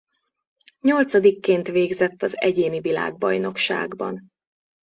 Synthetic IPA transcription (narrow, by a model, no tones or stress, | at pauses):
ɲo̞lt̪sɒd̪ikːeːnt̪ʋeːɡzɛt̪ːɒzɛɟeːnivila̰ːɡ̚bɒjno̞kʃa̰ːɡbɒ̰n